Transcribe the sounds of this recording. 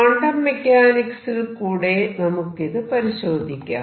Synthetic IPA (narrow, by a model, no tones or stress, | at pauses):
ɐɳɖɐmːekʲːaːniksilkuːɽenɐmukːiðɨpɐɾiɕoːd̪ʱikʲːa̰ː